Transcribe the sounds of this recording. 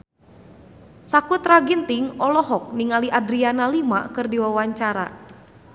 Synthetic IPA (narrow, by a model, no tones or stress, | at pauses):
sakut̪raɡint̪iŋɔlɔɦɔk̚niŋaliʔadɾianalima̰kɨrdiwawaɲt͡ʃaɾa̰